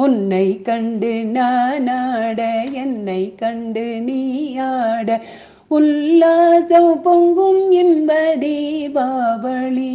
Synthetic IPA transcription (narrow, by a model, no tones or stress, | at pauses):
ʊnːɐɪkɐɳɖɯnaːnaːɽɐɛnːɐɪkɐɳɖɯniːjaːɽɐ | ʊlːaːt͡ʃɐpɔŋɡɯmɛnbɐðɐbaːʋɐɭi